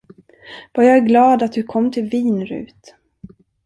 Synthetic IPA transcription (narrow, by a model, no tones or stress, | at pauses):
v̥ajɑæɾɡlɑːd̪at̪̚d̪ɵkʰɔmːt̪ʰɪlviːnɾʉ̰ːt̪